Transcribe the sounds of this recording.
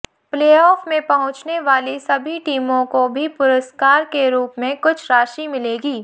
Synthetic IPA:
pleːɔːfmẽpɐɦʊ̃t͡ʃneʋaːlisɐbʱiʈiːmõkobʱipʊɾəskaːɾkeɾuːpmẽkʊt͡ʃʰɾaːʃimɪleːɡiː

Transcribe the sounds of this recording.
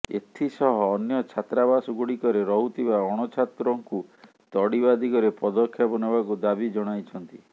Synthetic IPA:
ḛt̪ʰisɔɦɔːnjɔt͡ʃʰat̪ɾabasɔɡuɽikɔɾeɾɔɦut̪ʰibaɔɽ̃ɔt͡ʃʰat̪ɾɔŋku | t̪ɔɽibad̪iɡɔɾepɔd̪ɔkʰːjabɔnɔbakud̪abid͡ʒɔɽ̃ajt͡ʃʰɔnt̪i

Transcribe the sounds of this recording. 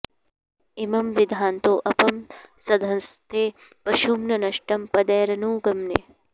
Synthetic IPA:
imɐmʋid̪ʱaːnt̪oːʔɐpɐmsɐd̪ʱɐnst̪ʰeː | pɐʃumnɐnɐʃʈɐmpɐd̪eːɾɐnuːɡɐmnḛ

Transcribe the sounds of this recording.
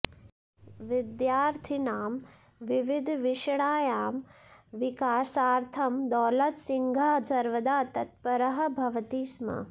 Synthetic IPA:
ʋɪd̪jaːɾt̪ʰinaːm | ʋiʋɪd̪ʱʋɪʃɽaːjaːmʋikaːsaːɾt̪ʰɐmd̪ɔːlɐt̪siŋɡʱaːsɐɾʋɐd̪aːt̪ɐt̪̚pɐɾɐɦɐ̆bʱɐʋɐt̪iːsmɐ̰

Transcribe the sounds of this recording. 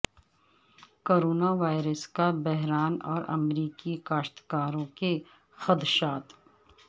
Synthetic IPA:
koːɾoːnaʋaːɪɾəskabɛɦɾaːnɔ̰ːɾɐ̰mɾiːkikaːʃt̪kaːɾõke | xɐd̪ʃaːt̪

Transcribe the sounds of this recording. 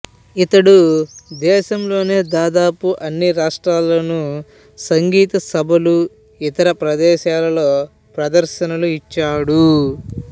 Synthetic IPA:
it̪ɐɽud̪ɛːʃɐmlo̞ːne̞ːd̪aːd̪aːpuʔɐnːiɾaːʂʈɾaːlːoːnu | sɐŋɡiːt̪ɐsɐbʱɐlu | it̪ɐɾɐpɾɐd̪ɛːʃaːlɐlo̞ː | pɾɐd̪ɐɾʃɐnɐluit͡ʃːaːɽu

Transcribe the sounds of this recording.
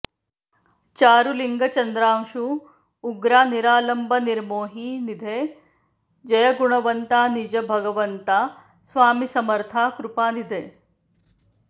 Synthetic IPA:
t͡ʃaːɾuliŋɡɐt͡ʃɐnd̪ɾaːmʃu | uɡɾaːniɾaːlɐmbʱɐniɾmoːɦiːnid̪ʱeː | d͡ʒɐjɐɡuɳ̃ɐʋɐnt̪aːnid͡ʒɐbʱɐɡɐʋɐnt̪aː | sʋaːmisɐmɐɾt̪ʰaːkɾupaːnid̪ʱeː

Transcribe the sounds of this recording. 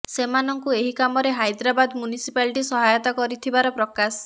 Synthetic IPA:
semanɔŋkueɦikamɔɾeɦajd̪ɾabad̪mjunisipaliʈisɔɦajɔt̪akɔɾit̪ʰibaɾɔpɾɔkas

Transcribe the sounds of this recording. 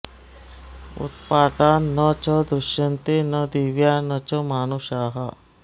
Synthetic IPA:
ṵt̪̚paːd̪aːnːət͡ʃəd̪ɾʊʃjɐnt̪enəd̪iʋjaːnɐt͡ʃɔmaːnuʃaːɦɐ

